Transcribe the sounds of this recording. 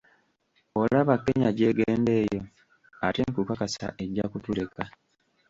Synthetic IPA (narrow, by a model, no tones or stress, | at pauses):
o̞laβakːe̞ɲaɟe̞ːɡeːnde̞ːjo̞ | ate̞ːŋkukakasa̰ʔe̞ɟːakutule̞ka